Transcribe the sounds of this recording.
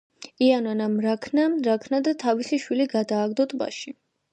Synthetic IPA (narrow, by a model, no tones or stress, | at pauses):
iananamɾakʰnaɾakʰnad̪at̪ʰavisiʃwiliɡad̪aːɡd̪ɔt̪ʰba̰ʃi